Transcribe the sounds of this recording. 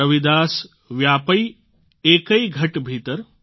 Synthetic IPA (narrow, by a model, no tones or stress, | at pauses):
ɐʋid̪aːs | ʋjapəi | eːkəiɡʱɐʈbʱiːt̪əɾ